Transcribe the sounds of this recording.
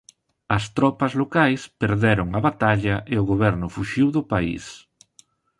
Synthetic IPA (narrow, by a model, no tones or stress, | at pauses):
ɐst̪ɾɔpɐzlokajspeɾðɛɾʊŋɐβat̪aʎɐʔeʊɣoβɛɾnʊfuʃiwðʊpaḭs